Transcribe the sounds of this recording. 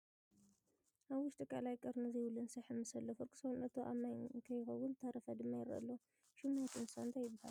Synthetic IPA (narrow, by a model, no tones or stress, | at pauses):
ʔaβwʊʃt̪ʼɨkʼa̰lajkʼɐɾnɨziwulɨnsɐħɨmːɨsɐlːɐfɨɾkʰʼɨ̥sownɐt̪ʰoʔa̰majkʰɐjxɐwʊnt̪ʰɐɾɐfɐd̪ɨmːajɪɾɐ̰lːo | ʃumat̪ʰɨnsɐnt̪ʰajːɪbːaha̰l